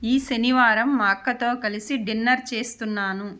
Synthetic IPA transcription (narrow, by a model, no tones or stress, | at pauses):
iːsɐniʋaːɾɐmːaːkːɐt̪o̞ːkɐlisiɖinːɐɾt͡ʃe̞ːst̪unːaːnu